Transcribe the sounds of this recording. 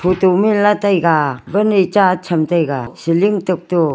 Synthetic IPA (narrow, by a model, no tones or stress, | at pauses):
pʰutumilatajɡabanit͡ʃat͡ʃʰamtajɡasiliŋtɯk̚tu